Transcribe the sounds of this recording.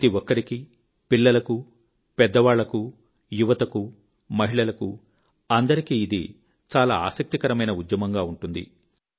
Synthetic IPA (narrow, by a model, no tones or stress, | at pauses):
ɐt̪iʋɔkːɐɾiki | piɭːɐlɐku | pɛd̪ːɐʋaːɭːɐku | juʋɐt̪ɐku | mɐɦiɭɐlɐku | ɐnd̪ɐɾikiːd̪ḭ | t͡ʃaːlaːa̰ːsɐk̚t̪ikɐɾɐmɐjnɐud̪jɐmɐŋɡaːuɳʈund̪ḭ